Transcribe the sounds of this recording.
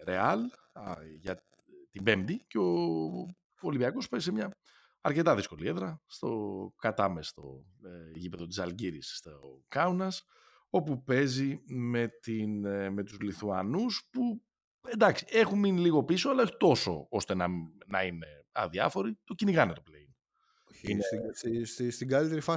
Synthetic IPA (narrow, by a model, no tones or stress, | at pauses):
ɾe̞ɐl | ʝɐ | t̪ibe̞md̪iceo | oliviɐko̞spe̞zis̬emɲɐ | ɐɾce̞t̪ɐðisko̞lie̞ðɾɐst̪o̞kɐt̪ɐmest̪o̞̰ | eʝipe̞ðo̞t̪i̥sɐlɟiɾisst̪okɐunɐs | o̞pupe̞zime̞t̪inme̞t̪uzliθuɐnuspu | e̞nd̪ɐksie̞xunminiliɣo̞piso̞ɐlɐexut̪o̞so̞̰o̞st̪e̞nɐnɐ̰ine̞ | ɐ̰ðiɐ̰fo̞ɾit̪ociniɣɐnet̪o̞plein | inesisst̪iɡɐlit̪eɾifɐ